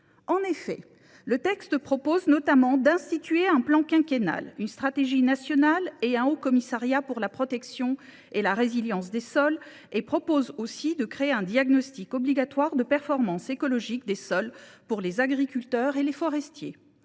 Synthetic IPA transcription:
ɑ̃nefɛ̰ | lət̪ɛkst̪əpχɔpoznɔt̪amɑ̃d̪ɛ̃st̪it̪ɥeɛ̃plɑ̃kɛ̃kʲena̰lynst̪χat̪eʒinasjɔnaleɛ̃okɔmisaʁjapuʁlapχɔt̪ɛksjɔ̃ | elaʁeziljɑ̃sd̪esɔl | epχɔpozosid̪əkχeeɛ̃d̪jaɡnɔst̪ikɔbliɡat̪waʁd̪əpɛʁfɔʁmɑ̃sekɔlɔʒikd̪esɔlpuʁlezaɡʁikʲylt̪œʁelefɔʁɛst̪jḛ

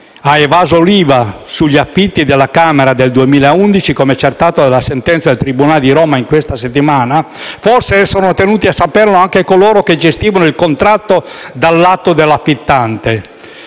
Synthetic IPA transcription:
aevaːzoliːvasuʎːiafːit̪ːid̪elːakaːmeɾad̪eld̪uemiːlaeund̪it͡ʃikomeɛt͡ʃːert̪aːt̪od̪alːasent̪ɛnt̪sad̪elt̪ɾibunaːled̪iɾoːmaiŋkwest̪aset̪ːimaːna | forseɛsonot̪enuːt̪iasːaperloaŋkekoloːɾoked͡ʒest̪iːvanoilkont̪ɾat̪ːod̪alːat̪ːod̪elːafːit̪ːant̪e

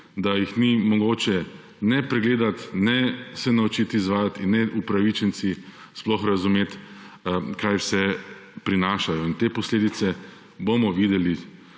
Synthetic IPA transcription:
d̪ajixnimɔɡoːt͡ʃɛ | nɛpɾɛɡleːd̪at̪nɛsɛnaut͡ʃit̪izʋaːjat̪inːɛʔupɾaʋit͡ʃɛnsi | splɔxɾazumeːt̪ | kʰajwsɛ | pɾinaːʃajɔint̪eːpɔsleːd̪it̪sɛ | bomɔʋiːd̪ɛli

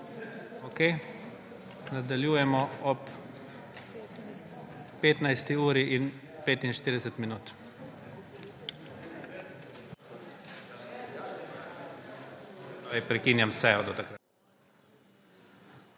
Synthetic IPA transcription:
oke | nad̪aljuːjɛmɔɔp | eːt̪najst̪iuːɾiʔin | peːt̪inʃt̪iːɾd̪ɛsɛt̪minuːt̪ | ɛpɾɛkinjamsɛjɔd̪ɔt̪akɾa

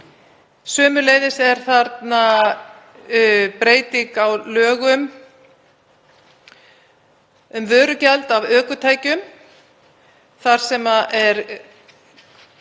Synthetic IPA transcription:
sœːmʏlejðɪsɛɾ̥θaɾt̪na | pɾeːjt̪ikawlœːɣʏm | ʏmvœːɾʏcalt̪avœːkʏt̪ʰaːjcʏm | θaɾ̥sɛmaʔɛɾ

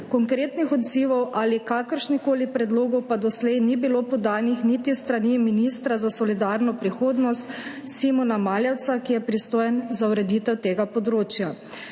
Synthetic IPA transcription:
kɔŋkɾeːt̪nixɔd̪ziːʋɔwʔalikaːkəɾʃnixkoːlipɾɛd̪loːɡɔwpad̪ɔslɛjnibilopɔd̪aːnixnit̪ist̪ɾaniminist̪ɾazasɔlid̪aːɾnɔpɾixoːd̪nɔst̪ | simɔnamaːljɛwt̪sakijɛpɾist̪oːjɛnzauɾɛd̪iːt̪ɛwt̪eːɡapɔd̪ɾoːt͡ʃja

